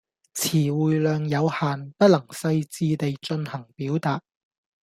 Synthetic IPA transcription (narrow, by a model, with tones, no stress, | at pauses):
t͡sʰiː˨˩wuː˨jlœː˨ŋjɐ˨˧whaː˨npɐ˥t̚lɐ˨˩ŋsɐ˧jt͡siː˧t̪e˨jt͡ʃɵ˧nhɐ˨˩ŋpiː˨˥wt̪aː˨t̚